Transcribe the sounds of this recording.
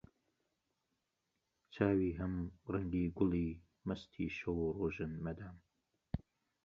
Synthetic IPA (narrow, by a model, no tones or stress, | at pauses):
t͡ʃʰaːwiːɦɐmrɐŋɡiːɡʊliː | mɐst̪ʰiːʃɐwuroːʒɨnmɐd̪aːm